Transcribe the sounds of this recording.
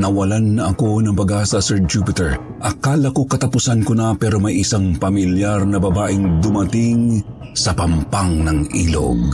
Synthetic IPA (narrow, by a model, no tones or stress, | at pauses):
nɐwɐlanːɐʔɐko̞nɐŋpɐɡaːsɐsɛɹd͡ʒupɪt̪ɛɹ | ʔɐkalɐko̞kɐt̪ɐpʊsankonɐpɛɾo̞mɐjʔisaŋpɐmiljaɾnɐbɐbaːʔɪŋd̪ʊmɐt̪iŋ | sɐpɐmpaŋnɐŋʔḭlo̰ɡ